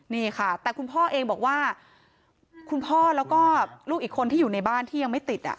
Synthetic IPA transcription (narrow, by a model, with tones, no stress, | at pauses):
niː˥˩xʰa˥˩t̪ɛː˨˩kʰu˧npʰɔː˥˩ʔeː˧ŋbɔː˨˩k̚waː˥˩ | kʰu˧npʰɔː˥˩lɛː˦˥wkɔː˥˩luː˥˩k̚iː˨˩kʰːo˧nt̪iː˥juː˨˩na˧jbaː˥˩nt̪ʰiː˥˩ja˧ŋma˥˩t̪i˨˩t̪̚ʔa̰˨˩ʔ